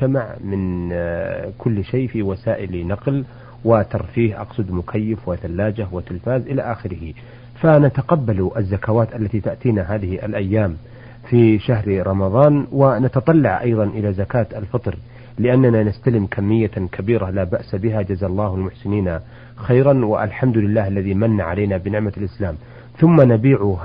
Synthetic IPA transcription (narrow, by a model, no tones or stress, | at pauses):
t̪amaʕmɪn | kʰʊlːʃejfiwasaːʔɪlnɑql | wɪt̪ɑɾˤfiːhʔɑ̰qsˤɨd̪mʊkʰajːɪfwɪθalːaːd͡ʒahwɪt̪ɪlfaːzʔɪlaʔaːxɪɾɪhɪ | fanat̪aqɑbːaluʔazːakawaːt̪ʔalːat̪it̪aʔt̪iːnaɦaːðɪhʔa̰lʔajːaːm | fiʃaɦɾɾˤɑmɑðˤɑːnwɪnat̪ɑt̪ˤɑlːɑʕʔɑjðˤɑnʔɪlazakaːt̪alfɑt̪ˤɾ | lɪʔanːananast̪alɪmkʰamːɪjːakʰabiːɾalaːbaʔsabɪɦad͡ʒazalˤːɑːhalmʊħsɪniːna | xajɾanwɪ̰ʔa̰lħamd̪ʊlɪlːaːhʔalːaðimanːaʕalaːnabɪnɪʕmalʔɪslaːm | θʊmːanabiːʕu